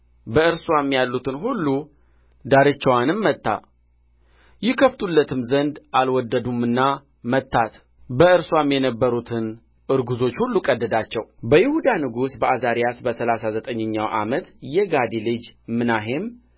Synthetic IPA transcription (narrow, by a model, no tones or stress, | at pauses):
bəɨɾswamːjalːut̪ɨnɦulːu | d̪aɾət͡ʃːɛwanɨmːət̪ːa̰ | jɪkʰəft̪ʼulːət̪ʰɨmzənd̪ʔalwɔd̪ːəd̪umɨnːa | mət̪ʰːat̪ | bəɨɾswamjɛnəbːəɾut̪ʰɨn | ʔɨɾɡuzo̞t͡ʃːhulːukʼəd̪ːəd̪at͡ʃːɛwbəjɪhud̪anɨɡusbəʔazaɾijasbəsəlasazət̪ʼəɲːəɲːawʔa̰mət̪jɛɡad̪ilɨd͡ʒmɨnaɦem